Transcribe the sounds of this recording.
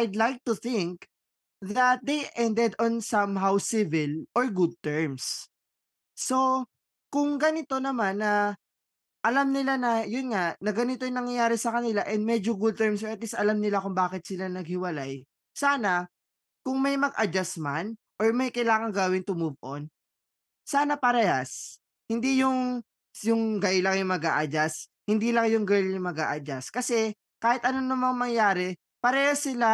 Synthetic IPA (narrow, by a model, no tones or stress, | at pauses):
ʔajd̪lajk̚t̪ʊθɪŋk | ðɐt̪̚d̪ejʔɛnd̪ɛd̪onsɐmɦawsivɪlʔoɹɡud̪̚t̪ɛɹms | o̞ | kʊŋɡɐnɪt̪o̞nɐmanːɐ | ʔɐlamnɪlanɐjʊnŋanɐɡɐnɪt̪ojʊŋnɐŋjɐjaːɾɛsɐkɐnɪlaʔɛnd̪̚mɛd͡ʒoɡud̪̚t̪ɛɹmsɔɹɐt̪lisɐlamnɪlakʊŋbaːkɪt̪̚sɪlanɐɡ̚hɪwɐlaj | saːnɐ | kʊŋmɐjmɐɡʔɐd͡ʒasman | ʔoɹmɐjkɐjlaːŋɐŋɡɐwɪnt̪ʊmubʔon | saːnɐpɐɾɛjas | hɪnd̪ijʊŋ | jʊŋɡɐjlɐŋjʊŋmɐɡa̰ːʔɐd͡ʒas | hɪnd̪ilɐŋjʊŋɡɐjʊŋmɐɡa̰ːʔɐd͡ʒaskɐsɛ | kaːhɪt̪ʔɐnonɐmɐŋmɐŋjaːɾɛ | pɐɾɛhosɪla